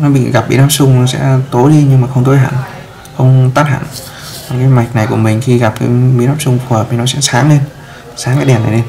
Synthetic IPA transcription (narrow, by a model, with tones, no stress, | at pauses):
nɔ˨˦ɓḭ˧˨ŋɣa˨˩p̚ɓḭ˨˧˦naː˦˥p̚sʊ˧ŋ͡mɔ˨˦sɛ̰˧˥t̪o˨˦jli˧ɲɨ˧ŋmaː˨˩xə˧ŋ͡mt̪o˨˦jɦa̰ː˧˨n | xə˧wŋ͡mt̪aː˦˥t̚ha̰ː˧˨n | a˨˩kaː˨˦jma˨˩jk̟̚na˨˩jku˧˩əmï˨˩ŋ̟xi˧ɣa˨˩p̚kaː˨˦ɓḭ˧˥˦naː˦˥p̚sʊ˧ŋ͡mf̚i˨˩nɔ˨˦sɛ̰˧˥saː˨˦ŋle˧n | saː˨˦ŋkaː˨˦jɗɛ˨˩na˨˩jle˧n